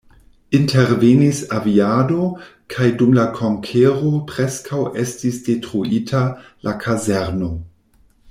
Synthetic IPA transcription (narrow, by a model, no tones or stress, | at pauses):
inteɾvenisaviado̞kʰajdumlakʰo̞ŋkʰeʁo̞pɾeskʰawʔestisd̥e̞tɾuʔitʰalʔakʰazeɾno̞